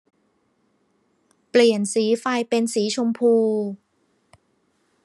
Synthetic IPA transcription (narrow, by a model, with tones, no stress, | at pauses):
pli˨˩ənsiː˨˩˦faː˧jpe˧nsiː˨˩˦t͡ɕʰʊ˧mpʰuː˧